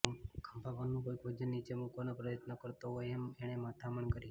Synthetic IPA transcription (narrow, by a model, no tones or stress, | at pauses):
kʰəmpaʋanũbʱoɡʱod͡ʒənːit͡ʃemukʋanapɾəjət̪nəkəɾt̪oɦojemeɽ̃emat̪ʰaməɳkəɾi